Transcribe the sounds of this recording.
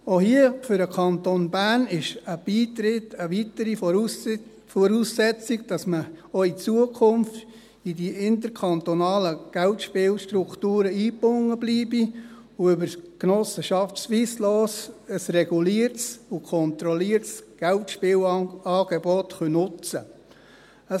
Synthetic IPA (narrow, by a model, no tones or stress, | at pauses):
ohiəfʏɾdəkʰɑnt̪onbæːnɪʃəb̥iːtɾɪtəʋitəɾif | fɔɾusːɛt͡siɡ̚d̥ɑsməoit͡suəkʰʊmft | idiɪntəɾkʰɑnt̪onɑːləɡ̥ɛltʃpɪːlʃtɾuktuːɾəiːpʊŋːəbliːbi | ʊʏbəɾknɔsəʃɑftsʋiːslɔːsəsrɛɡ̥uliəɾtsʊkʰɔnt̪ɾɔliːəɾtsɡ̥ɛltʃpɪːlɑːɡ̥ebɔtχœnʊt͡st͡sə | ə